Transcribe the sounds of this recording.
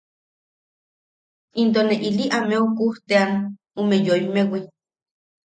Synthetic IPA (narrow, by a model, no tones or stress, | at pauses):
int̪̬oneʔiliʔameokuht̪ean | umejoimewi